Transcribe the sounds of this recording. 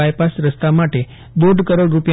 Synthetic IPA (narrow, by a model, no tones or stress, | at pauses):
ajpasɾəst̪amaʈe | d̪oɖʱkəɾoɽɾupja